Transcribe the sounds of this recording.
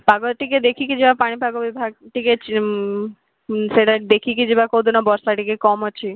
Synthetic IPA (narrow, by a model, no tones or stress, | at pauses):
paɡoʈiked̪ekʰikid͡ʑebapaɽ̃ibʱaɡobibʱaɡ̚ʈiket͡ɕ | ʃeʈad̪ekʰik̬id͡ʑebakod̪ʱunobɔɾʃaʈikekɔmot͡ɕʰi